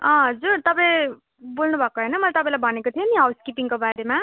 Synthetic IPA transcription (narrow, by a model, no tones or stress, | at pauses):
ʌ̃ɦʌd͡zurt̪ʌpai | bolnubʱʌkoɦʌjnʌmʌlat̪ʌpãĩlajbʱʌnekot̪ʰioniɦʌwskipiŋkobaɾema